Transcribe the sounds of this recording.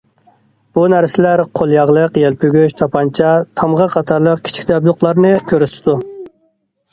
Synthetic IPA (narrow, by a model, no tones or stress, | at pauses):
b̥unæɾsɪlæɾqʰolˠjɑʁlˠəqjɛlpʰyɡʲyʃt̪ʰɑpʰɑnt͡ʃʰɑt̪ʰɑmʁɑqʰɑt̪ʰɑɾlˠəq̚kʲʰi̥t͡ʃʰi̥kʲd̪ɛblˠʊqlˠɑɾnɨkʲʰøɾysɪ̥d̪u